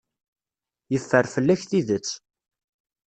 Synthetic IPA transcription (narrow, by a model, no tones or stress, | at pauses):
jəfːəɾfəlːæçθiðət͡sː